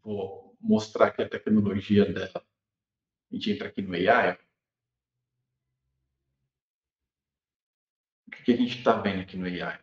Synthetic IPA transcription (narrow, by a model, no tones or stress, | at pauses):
vɔ | most̪ɾaɾkɪɐt̪ɛknoloʒiɐd̪ɛlɐ | ʒẽt͡ʃɪẽnt̪ɾakinʊejajʊ | ukɛ̥kɪaʒẽnt͡ʃɪ̥t̪avẽnd̪ʊakinʊeja̰j